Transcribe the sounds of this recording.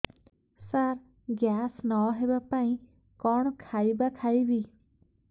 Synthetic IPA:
saɾ | ɡjaːsnɔɦebapaĩ | kɔɳ̃kʰaibakʰaibi

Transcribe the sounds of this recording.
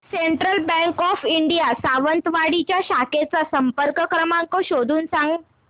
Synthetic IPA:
seɳʈɾəlbɛ̃ŋkɔfiɳɖijasaʋənt̪ʋaɽit͡ɕjaɕaket͡sasəmpəɾkəkɾəmaŋkɔɕod̪ʱuːnsãŋɡ

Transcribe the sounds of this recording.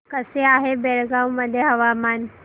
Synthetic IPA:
kəseaɦebeɭɡãwməd̪ʱjeɦəʋamaːn

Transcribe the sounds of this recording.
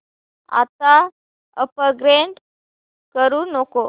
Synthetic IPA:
a̰t̪a | əpəɡɾeɳʈ | kəɾuːnoko

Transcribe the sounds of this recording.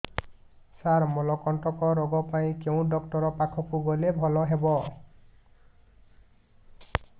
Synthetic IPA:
saɹmɔlɔkɔntɔkɔɾɔɡɔpaĩkeʊ̃dɔktɔɹɔpakʰɔpuɡɔlebʱɔlɔɦebɔ

